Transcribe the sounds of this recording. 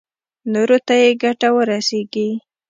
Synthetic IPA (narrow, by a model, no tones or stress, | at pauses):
noɾot̪ajeɡaʈawəɾaseɡi